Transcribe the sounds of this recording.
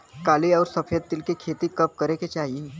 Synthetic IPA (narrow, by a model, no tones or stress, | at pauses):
kaliːɔwɾsəfed̪̚t̪ːilkekʰet̪iːkəp̚kəɾeket͡ɕaɦi